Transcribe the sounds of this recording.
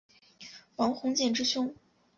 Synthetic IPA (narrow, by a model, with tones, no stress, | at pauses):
fɑ˧˥ŋxʊ˧˥ŋt͡ɕjɛ˥˩nʈ͡ʂɻ̩˥ɕʊ˥ŋ